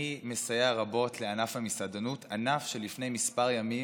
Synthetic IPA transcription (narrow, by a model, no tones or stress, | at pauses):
imesajaʁabo̞tleanafhamisadanutanafʃelifnejmispaʁjami